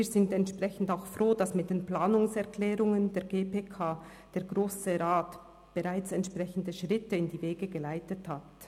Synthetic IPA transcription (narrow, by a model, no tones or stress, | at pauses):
iːzɪntɛntʃpʁ̥ɛçn̩daʊxfʁoːd̥asmɪt̚d̥eːnplaːnʊŋsɛʁklɛːɾʊŋəndeːɐɡeːpeːkʰaː | d̥eːɾɡʁoːsəʁaːt | b̥əʁaɪt͡sɛntʃpʁ̥ɛçn̩dəʃʁɪtəɪndiːveːɡəɡəlaɪtəthat